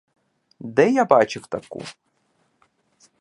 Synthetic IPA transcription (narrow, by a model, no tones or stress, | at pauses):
d̪ɛjabat͡ʃɪwt̪ɐkṵ